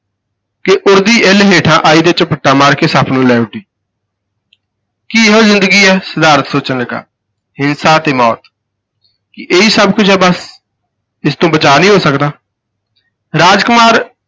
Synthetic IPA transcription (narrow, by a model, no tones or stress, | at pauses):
kɪʔʊɾd̪iːʔelɦeːʈʰãːʔaːiːd̪eːt͡ʃpʰəʈːaːmaːɾkeːsaːpʰnũːlɛːʊʈiː | kiːeɦoːzɪ̃nd̪əɡiːɛːsəd̪aːɾət̪soːt͡ʃənləɡa̰ː | hɪnsaːt̪eːmɔːt̪ | kɪʔeiːsəb̚kʊt͡ʃʰɦɛːbəs | ɪst̪õːbət͡ʃaːnĩːɦoːsəkd̪aː | ɾaːd͡ʒkʊmaːɾ